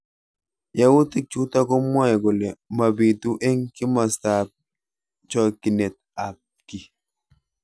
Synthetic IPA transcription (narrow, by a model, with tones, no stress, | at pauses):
ja˦wu˦ti˦k̚t͡ʃu˦ta˦kɔ˦mɔ˦ɛ˨ɡɔ˨lɛ˨ma˨bi˨tu˦ʔɛ˦ŋki˦ma˨sta˨p̚ | t͡ʃɔ˦˨ki˨nɛ˨t̚a˨p̚ | ki˨